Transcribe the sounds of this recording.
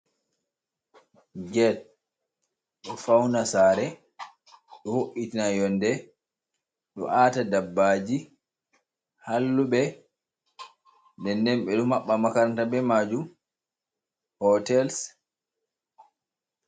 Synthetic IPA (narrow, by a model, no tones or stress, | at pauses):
d͡ʒɛt̚ | ɗɔfawnasaːɾɛ | ɗɔhoʔːitinajɔndɛ | ɗɔ̰ʔatadabːaːd͡ʒi | halːuɓɛ | ndɛndɛmɓɛɗɔmaɓːamakantabɛmad͡ʒum | hɔtɛls